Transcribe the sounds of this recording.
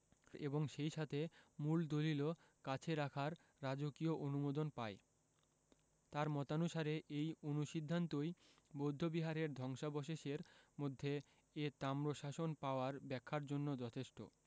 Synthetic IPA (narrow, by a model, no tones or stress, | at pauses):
eboŋʃejʃat̪ʰemuld̪olilo | kat͡ɕʰeɾakʰaɾː | ad͡ʑokioʔonumod̪onpae | t̪aɾmɔt̪anuʃaɾeʔejonuʃid̪ʱːant̪ojbod̪ʱːobiɦaɾeɾd̪ʱɔŋʃabɔʃeʃeɾmod̪ʱːeː | t̪amɾoʃaʃonpaoaɾbɛkʰːaɾd͡ʑonːod͡ʑɔt̪ʰeʃʈo̰